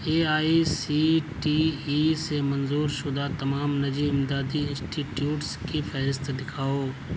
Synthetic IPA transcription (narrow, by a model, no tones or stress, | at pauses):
eːaːisiːʈiːiːsemɐnzuːɾʃʊd̪at̪ɐmaːmnɐd͡ʒiːɪmd̪aːd̪iɪ̃nsʈiːʈjuːʈskifɛːɾɪst̪ɖɪkʰaːoː